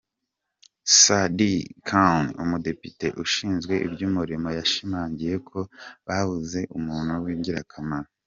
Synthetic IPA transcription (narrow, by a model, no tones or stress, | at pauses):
sadikʰawnṵmude̞pite̞ʔuʃiːnzɡwe̞ʔḭbɟuːmuɾimo̞jaʃimaːɲɟije̞kʰo̞βaβuze̞ʔumuːn̥huwiːɲɟiɾa̰kʰamaɾa